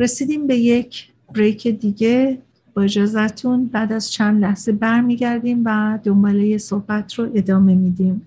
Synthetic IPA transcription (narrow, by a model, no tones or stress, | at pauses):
ɾe̞siːd̪iːmbe̞je̞cʰ | b̥ɾejcʰe̞d̪iːɟe̞ | b̥ɒed͡ʒɒːzæt̪ʰunbæːd̪æz̥t͡ʃʰænd̪læhz̥ebæɾmiːɟæɾd̪iːmvæd̪o̞mbɒːlejeso̞hb̥æt̪ʰroʔe̞d̪ɒːme̞miːd̪iːm